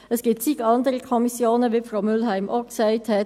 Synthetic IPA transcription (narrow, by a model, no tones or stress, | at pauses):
əsɡ̥iːp̚tt͡sikɑndəɾəkʰɔmisjoːnəʋiːfɾʁaʊmʏlɦæɪmʔoksæɪthɛt